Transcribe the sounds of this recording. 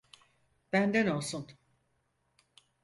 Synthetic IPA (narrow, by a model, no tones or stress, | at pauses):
b̥ænd̪ɛno̞lˠsun